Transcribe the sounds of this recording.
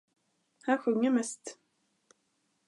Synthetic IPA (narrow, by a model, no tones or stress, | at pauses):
hæɧɵŋːəmɛst̪